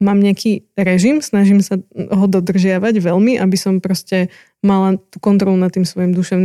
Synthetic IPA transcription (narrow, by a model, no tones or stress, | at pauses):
maːmɲɛakʰiːɾɛʒimsnaʒimsaɦɔd̪ɔd̪r̩ʒɪaʋaɟʋɛlmiʔabisɔmpɾɔscɛ | malat̪uːkɔnt̪ɾɔlunat̪ːiːmsʋɔjimd̪uʃɛʊni